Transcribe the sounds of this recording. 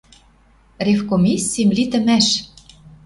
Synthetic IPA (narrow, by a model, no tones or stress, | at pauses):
rʲefkomʲisʲːimlit̪ə̆mæʃ